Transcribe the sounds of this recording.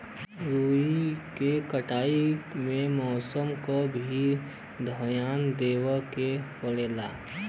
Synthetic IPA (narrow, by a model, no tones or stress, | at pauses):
ɾuːikekəʈʰaːimẽmɔːsəmkobʱi | d̪ʱəjaːnd̪eːwəkepəɽeːla̰ː